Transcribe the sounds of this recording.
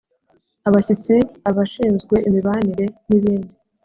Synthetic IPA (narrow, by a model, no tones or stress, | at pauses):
aβacit͡siaβaʃiːnzɡwe̞ʔimiβaniɾe̞niβiːndi